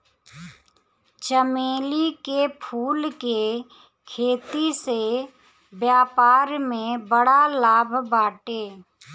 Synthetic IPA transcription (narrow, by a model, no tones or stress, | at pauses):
t͡ʃəmeːlikepʰuːlke | kʰeːt̪ise | bjaːpaːɾmẽbəɽalaːbʱbaːʈeː